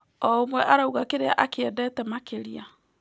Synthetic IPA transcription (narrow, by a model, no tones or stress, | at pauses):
ɔomwɛʔaɾauɣakeɾea̰ʔakeɛdɛtɛmakeɾia